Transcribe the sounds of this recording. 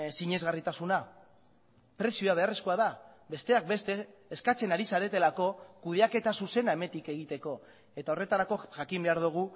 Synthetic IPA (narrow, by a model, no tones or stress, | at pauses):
siɲe̞zɣarit̪asuna | pɾe̞sioaβ̞e̞are̞sko̞aða | be̞st̪e̞ak̚be̞st̪e̞ːskat͡se̞naɾisaɾe̞t̪e̞lako̞kuð̞e̞ake̞t̪asuse̞nae̞me̞t̪ike̞ɣit̪e̞ko̞ | e̞t̪ao̞re̞t̪aɾako̞ʝakimbe̞aɾðuɣ̞u